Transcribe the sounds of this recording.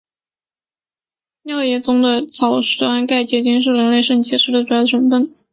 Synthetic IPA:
njɑ˥˧ʊjɛ˧˥˩t͡sʊ˥ŋd̪ə˨t͡sʰɑ˨˩ʊʂwa˥nka˥˩ɪt͡ɕjɛ˧˥˩t͡ɕi˥ŋʂ̬ɻ̩˥˩ɻə˧˥nle˥˧ɪʂə˥˩nt͡ɕʰi˧˥ʂɻ̩˧˥d̪ə˩˧˩jɑ˥˩ʈ͡ʂʰə˧˥nfə˥˩n

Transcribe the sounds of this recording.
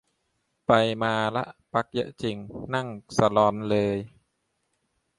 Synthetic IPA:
pa˧jmaː˧lɛ̰˦˥ʔpa˦˥k̚jɤ̰˦˥ʔt͡ɕi˨˩ŋna˥˩ŋsa˧lɔː˧nlɤː˧j

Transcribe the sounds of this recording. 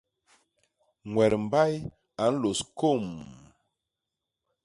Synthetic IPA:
ŋwɛ˨ɾm˨ba˦j | a˨˦n̩˦lo˨sko˦˨m

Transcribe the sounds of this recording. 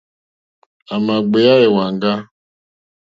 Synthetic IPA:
a˨ma˨ɡ͡be˨ja˦ɪ˨wa˨ŋ˦ɡa˦

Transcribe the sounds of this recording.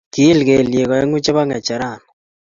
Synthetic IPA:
ki˦lke˨lje˨kɔ˨e˦ŋu˦t͡ʃɛ˦βa˦ŋɛ˨t͡ʃa˨ɾaː˦˨n

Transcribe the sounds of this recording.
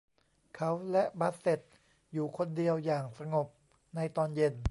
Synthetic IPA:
kʰa˦˥wlɛ˦˥ʔba˦˥t̪̚se˨˩t̪̚ | juː˨˩kʰo˧ndi˧əwjaː˨˩ŋsa˧ŋo˨˩p̚ | na˧jt̪ɔː˧nje˧n

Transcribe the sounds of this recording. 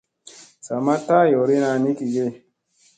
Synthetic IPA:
sa˨ma˦ta˦˨jɔ˨ɾi˦na˧ni˦ki˨ɡe˦

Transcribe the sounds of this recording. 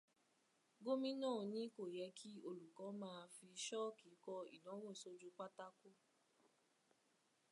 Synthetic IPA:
ɡo˦mĩ˦nãː˦˨nĩ˦ko˦˨jɛ˧˦kʰi˦o˧lu˨kɔ˨˦mãː˦˧fi˧ʃɔ˦ki˨˦kɔ˧ḭ˨nɔ̃˨˦wɔ̃˦˨so˧d͡ʒu˦k͡pa˦ta˦ko˦

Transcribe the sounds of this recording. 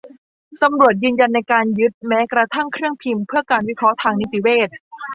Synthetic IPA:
sa˧mɾu˨˩ət̪̚jɯː˧nja˧nːa˧jkaː˧njɯ˦˥t̪̚mɛː˦˥kɾa˧t̪ʰa˥˩ŋkʰɾɯ˥˩əŋpʰi˧mpʰɯ˥˩ɐkaː˧nwi˦˥kʰɾɔ˦˥t̪ʰaː˧ŋni˧˦˥t̪i˧˩weː˥˩t̪̚

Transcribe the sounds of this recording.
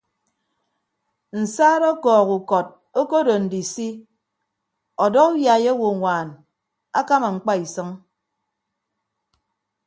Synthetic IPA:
n̩˨saː˦ɾɔ˦kɔː˨ɣu˨kɔ˨t̚ | o˦ko˦do˨n̩˨di˨si˦ | ɔ˨dɔ˦ku˦ja˨je˦wo˨ŋʷaː˨n | a˦ka˦ma˨ŋ͡m̩˨k͡pa˦i˨sɨ˦ŋ

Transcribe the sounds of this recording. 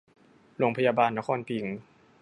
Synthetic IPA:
ɾoː˧ŋpʰa˧jaː˧baː˧nːa˦˥kʰɔː˧npʰi˨˩˦ŋ

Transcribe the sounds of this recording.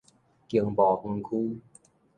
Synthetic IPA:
ki˨˩əŋbɔː˨˩ŋɤ˧nkʰuː˧˥˩

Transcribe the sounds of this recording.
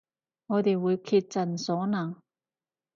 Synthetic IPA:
ŋɔː˨˧t̪e˨jwuː˨˧jkʰiː˧t̚t͡sɐ˨nsɔː˨˥naː˨˩ŋ

